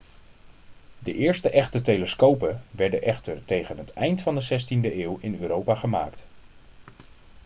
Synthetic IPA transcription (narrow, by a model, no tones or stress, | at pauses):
dəʔɪːɹstəʔɛχtətejləskowpəʋɛɹdəʔɛχtəɹtejχənɦətɛjntfɑndəzɛstindəɪːwɪnøːɾowpaːχəma̰ːkt